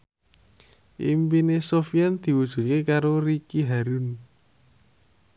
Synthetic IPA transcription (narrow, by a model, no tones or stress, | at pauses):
ʔḭmpinesofijɛnd̪̥i̤wud̥ʒ̥ṳt̪̚kekaɾoɾikiɦaɾun